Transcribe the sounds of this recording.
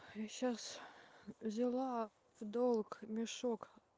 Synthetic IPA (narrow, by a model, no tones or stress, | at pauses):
ɕas | zʲɪlˠɑ | fd̪olˠkmʲɪʂok